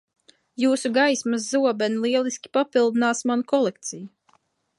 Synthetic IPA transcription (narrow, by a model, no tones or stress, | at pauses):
juːsuɡajsmaszuɔbɛnilˠiɛlˠisʲkʲi̥papilˠd̪inaːsmanukɔlˠek̚t̪siju